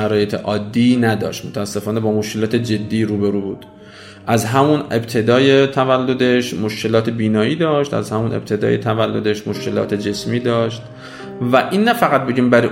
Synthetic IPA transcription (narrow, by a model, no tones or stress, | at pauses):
æɾɒːje̞t̪ʰeʔɒːd̪ːiːnæd̪ɒ̰ːʃt̪mot̪ʰææsːe̞fɒːne̞bɒːmoʃkʰe̞lɒːt̪ʰed͡ʒe̞d̪ːiːɾuːbeɾuːbuːd̪̥ | ʔæzɦæmunḛbt̪ʰe̞d̪ɒːjet̪ʰævælːo̞d̪e̞ʃmo̞ʃce̞lɒːt̪ʰebiːnɒːjiːd̪ɒːʃt̪æ̰zhæmunʔḛb̚t̪ʰe̞d̪ɒ̰ːjet̪ʰævælːo̞d̪e̞ʃmoʃcʰe̞lɒ̰ːt̪ʰe̞d͡ʒe̞smiːd̪ɒːʃt̪ | væʔinːæfæɣæt̪̚be̞ɟiːmbæɾi